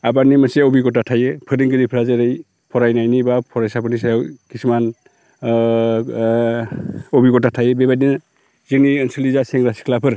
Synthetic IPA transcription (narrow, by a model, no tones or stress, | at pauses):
abanimaseɔbiɡɔtatʰajɯpʰɯɾiŋɡɯɾipʰɾazeɾɯj | pʰɔɾajnajnibapʰɔɾajsapʰɯnisajawkʰisman | ɔbiɡɔtatʰajɯbebajnin | zɯŋniɯnsɯlizaseŋɾasi̥kʰlapʰɯɾ